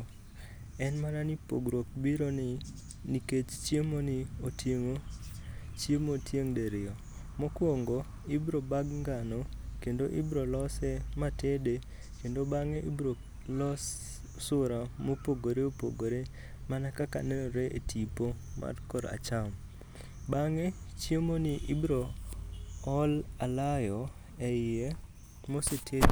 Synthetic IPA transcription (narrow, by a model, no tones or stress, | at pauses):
ɛnmananipo̰ɡɾok̚biɾonɪ | niket͡ʃt͡ʃjemonɪotjeŋo | t͡ʃjemotjeŋdeɾɪɔ | mɔkwoŋɡɔ | ibɾobaɡŋɡanɔkendoʔibɾolɔsɛmatede | kendobaŋeʔibɾo | lɔs | sʊɾamopoɡoɾeopo̰ɡoɾe | manakaka̰nɛɔɾeʔetʰipo | ma̰dkɔɾa̰t͡ʃam | baŋe | t͡ʃjemonɪʔibɾo | ɔlalajɔ | ɛɪe | mosetʰe